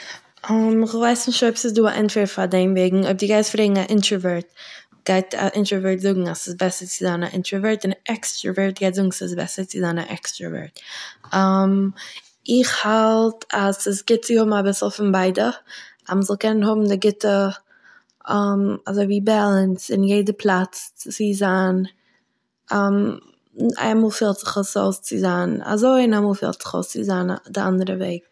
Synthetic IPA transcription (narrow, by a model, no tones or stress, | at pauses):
ɔmɪχvaɪsnɪʃtoɪpsɪsduːa̰ʔɛ̰ntfɛɾtfadeɪnveɪɡŋ̩ob̚dɪɡaɪsfɾeːɡŋ̩aʔɪntəvɛɹt̚ | ɡ̥aɪta̰ʔɪntɾəvɛɹtzʊɡŋ̩asɪsbɛsəɾt͡sɪzana̰ʔɪ̰ntɾəvɛɹtɪnʔɛkstɾa̰vɛɹt̚ɡaɪtzʊɡŋ̩sɪsbɛ̰səɾt͡sɪzaːna̰ʔɛ̰kstɾa̰vɛ̰ɹtam | ɪχhalˠtʰasəsɡɪt̚t͡sɪhʊbm̩abɪsl̩ˠfɪnbaɪdəaməzɔlˠkɛnənhʊbm̩dɪɡɪtə | ɛmazoɪviːbalˠənsɪnjeɪdəpʰlˠat͡st͡st͡sɪzaːn | ɛm | a̰ɪmuːlˠfiːlˠtz̥ɪχəso̰ʊst͡sɪzaːna̰zoɪɪnaɪmuːlˠfḭːlˠtz̥ɪ̥χo̰ʊst͡sɪzaːndɪʔa̰ndəɾəveɪɡ̚